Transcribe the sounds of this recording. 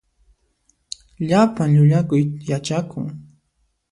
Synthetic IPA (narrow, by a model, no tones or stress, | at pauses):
ʎapaŋʎʊʎakʊjjat͡ʃakʊ̰ŋ